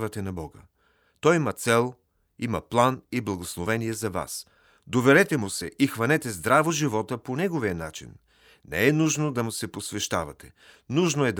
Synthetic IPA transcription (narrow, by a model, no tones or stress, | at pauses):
vɐt̪ɛnɐbɔɡə | t̪ɔjimɐt̪sɛlˠ | imɐplˠaniblˠɐɡoslˠovɛniɛzɐva̰s | d̪ovɛɾɛt̪ɛmʊsɛʔixvɐnɛt̪ɛzd̪ɾavoʒivɔt̪əponɛɡoviənat͡ʃḭnː | ɛ̰ɛnuʒnod̪ɐmʊsɛposvɛʃt̪avɐt̪ɛ | nuʒnoɛd̪